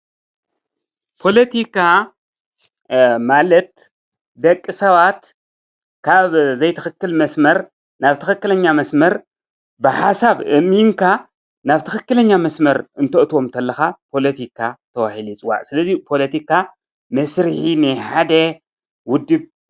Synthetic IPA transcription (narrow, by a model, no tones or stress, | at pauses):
pʰo̞lɐt̪ʰikʰa | malɐt̪ | d̪ɐkʼːɨsɐβat̪ | kʰaβzɐjt̪ʰɨxɨkːɨlmɐsmɐɾ | naβt̪ʰɨxɨkːɨlɐɲːamɐsmɐɾ | bɨħasaβʔɨmiŋkʰa | naβt̪ʰɨxɨkːɨlɐɲːamɐsmɐɾɨnt̪ʰɐʔt̪wo̞mnt̪ʰɐlːɐxapʰo̞lɐt̪ʰikʰat̪ʰɐwaħilit͡sʼwa̰ʔsɨlɐzipʰo̞lɐt̪ikʰa | mɐsɾɨħinɨjħad̪ɐ | wʊd̪ːɨβ